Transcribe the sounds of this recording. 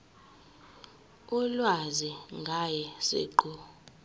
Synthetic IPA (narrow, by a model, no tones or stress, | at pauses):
ulwaziŋɡʱajɛsḛǃu